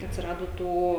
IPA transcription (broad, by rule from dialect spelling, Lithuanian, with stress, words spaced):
ɐtʲsʲɪˈrɑːdoː ˈtuː